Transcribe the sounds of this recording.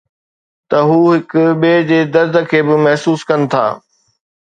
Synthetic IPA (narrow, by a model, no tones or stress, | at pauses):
t̪ɐɦuːɦɪkʊɓeːd͡ʑeːd̪ɐɾd̪ʱə̆kʰeːbɪmɐɦsuːskɐnɪ̆t̪ʰa̰ː